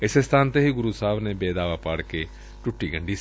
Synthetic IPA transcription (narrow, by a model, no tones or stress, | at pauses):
ɪsest̪ʰaːnt̪eɦiːɡʊɾuːsaːʋneːbeːd̪aːʋaːpaːɽke | ʈʊʈːiːɡə̃ɳɖiː